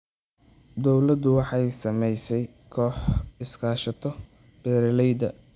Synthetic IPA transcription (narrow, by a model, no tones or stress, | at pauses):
d̪ɔwlɐd̪ʊwɑħɑjsɐmɛjsɛj | kʰɔːħɪskʰaːʃɐt̪ʰɔ | b̥ɛːɾlɛjd̪ɐ̰